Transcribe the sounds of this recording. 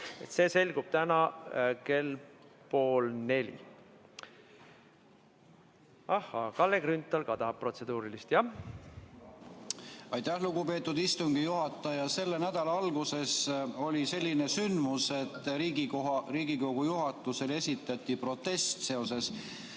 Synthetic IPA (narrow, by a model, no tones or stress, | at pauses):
et̪se̞ːse̞lʲɡ̥ub̥̚t̪ænɑke̞lpo̞ːlne̞lʲḭ | ɑhːɑkɑlːekrynt̪ːˑɑlkɑt̪ɑpːro̞t̪se̞d̪uːɾilist̪jɑ | ɑjt̪ˑæhluɡupe̞ːt̪ːˑud̪ist̪uŋɡ̥ijuɦɑt̪ːˑɑjɑse̞lːe̞næd̪̥ɑlɑɑlɡ̥use̞so̞lʲise̞lʲːine̞synd̪muse̞t̪ːˑɾiːɡikoriːɡ̥iko̞ɡ̥ujuɦɑt̪ːˑuse̞le̞sʲit̪ːˑɑt̪ʲːˑipro̞t̪ˑːe̞st̪se̞o̞se̞s